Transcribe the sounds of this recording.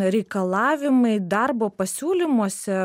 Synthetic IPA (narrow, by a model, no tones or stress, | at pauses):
ɾʲɛɪkɐlˠɑːʋʲɪmɐɪd̪ɐrboːpɐsʲuːlʲɪmuɔsʲɛ